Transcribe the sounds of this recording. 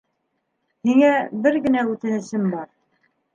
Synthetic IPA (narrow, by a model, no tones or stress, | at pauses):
hiŋæbɘɾɡɘ̆næʉt̪ɘ̆nɘ̆sɘmbɑɾ